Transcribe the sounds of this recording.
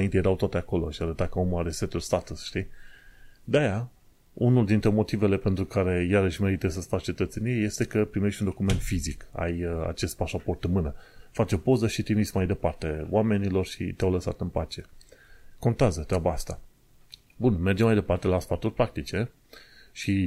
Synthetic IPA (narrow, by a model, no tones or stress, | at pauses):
aint̪ejeɾawt̪oat̪e̞ako̞lo̞ʃiaɾət̪akəo̞mulaɾeset̪ulst̪at̪usʃt̪i | d̪eaja | unuld̪int̪ɾe̞mo̞t̪ive̞le̞pent̪ɾukaɾe̞jaɾəʃme̞ɾit̪əs̬əst̪at͡ʃe̞t̪ət̪se̞nijeje̞st̪e̞kəpɾime̞ʃt̪ʲund̪o̞kume̞nt̪fizika̰ja̰t͡ʃe̞st̪̚paʃapo̞rt̪ɨnmɨnəfat͡ʃeopo̞zəʃit̪imitsmajd̪e̞part̪e̞o̰wame̞nilo̞rʃḭt̪eawləsa̰t̪ɨnpat͡ʃe̞ | ko̞nt̪eazət̪ɾʲabaast̪a | bunme̞rd͡ʒemajd̪e̞part̪e̞laspat̪urʲpɾak̚t̪it͡ʃe̞ | ʃi